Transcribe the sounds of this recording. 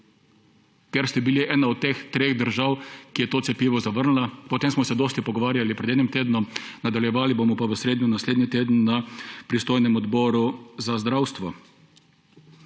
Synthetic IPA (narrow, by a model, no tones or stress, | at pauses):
kɛɾst̪ɛbiliʔɛːnaɔt̪ːeːxt̪ɾeːɣd̪əɾʒawkijɛt̪oːt̪sɛpjiːʋɔzaʋəɾnlapɔt̪emsmɔsɛd̪oːst̪ipɔɡɔʋaːɾjalipɾɛd̪ɛːnimt̪eːd̪nɔmnad̪aljɛʋaːlibomɔpaʋəsɾeːd̪nunasleːd̪nit̪eːd̪ənnapɾist̪oːjnɛmɔd̪bɔːɾuzazd̪ɾawst̪ʋɔ